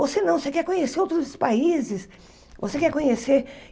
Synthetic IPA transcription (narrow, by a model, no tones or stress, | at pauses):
vosenɐ̃w̃osekɛɾkõɲeseɾowt̪ɾʊspaizɪs | vosekɛɾkõɲeseɾ